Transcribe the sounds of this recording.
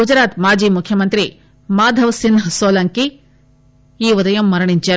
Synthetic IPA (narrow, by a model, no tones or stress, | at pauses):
d͡ʒɐɾaːt̪maːd͡ʒiːmukʰjɐmɐnt̪ɾi | maːd̪ʱɐʋsinsoːlɐŋki | iːʋɐd̪ɐjɐmːɐɾɐɳiɲt͡ʃɐ